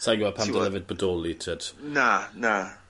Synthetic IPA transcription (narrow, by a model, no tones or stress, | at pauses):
sajɡapʰamdəlɛvɪd̚bədɔːlˠitʰəd̥nana